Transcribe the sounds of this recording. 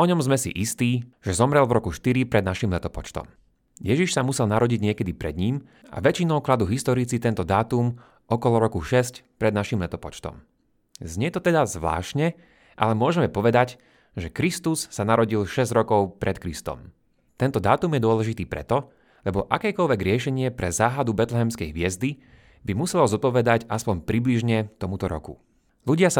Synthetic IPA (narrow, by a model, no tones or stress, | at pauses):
ɔɲɔmzmɛsḭʔist̪iːʒ̥ɛzɔmɾɛlvɾɔkuʃt̪iɾipɾɛd̪̚naʃimlɛt̪ɔpɔt͡ʃt̪ɔ̰m | jɛʒiʃsamusɛlnaɾɔɟiɟɲɪɛkɛd̪ipɾɛ̰d̪ɲiːm | ʔa̰ʋɛt͡ʃinɔʊklad̪uɦist̪ɔɾit͡sit̪ɛnt̪ɔd̪aːt̪um | ʔɔkɔlɔɾɔkuʃɛscpɾɛd̪naʃimlɛt̪ɔpɔt͡ʃt̪ɔ̰m | zɲɛt̪ɔt̪ɛd̪azʋla̰ːʃɲɛ | ʔa̰lɛmʊɔʒɛmɛpɔʋɛd̪aɟ | ʒɛkɾist̪usːanaɾɔɟilʃɛzɟɾɔkɔʊpɾʔɛt̪kɾist̪ɔ̰m | t̪ɛnt̪ɔd̪aːt̪umjɛd̪ʊɔlɛʒit̪iːpɾɛ̰t̪ɔ | lɛbɔʔakɛːkɔlʋɛɡɾɪɛʃɛɲɪɛpɾɛzaːɦad̪ubɛt̪lɛɦɛmskɛjɦʋɪɛzd̪i | bimusɛlzɔt̪̚pɔʋɛd̪acaspɔɲpɾibliʒɲɛt̪ɔmut̪ɔɾɔ̰kṵ | luɟɪasa